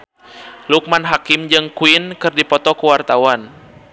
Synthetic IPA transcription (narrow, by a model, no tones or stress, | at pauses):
luk̚manɦakimd͡ʒɨŋkuinkɨrdipɔt̪ɔkuwart̪awan